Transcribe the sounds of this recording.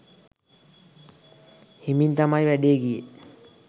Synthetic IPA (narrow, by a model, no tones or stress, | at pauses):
hemint̪amajʋæɖijeɡije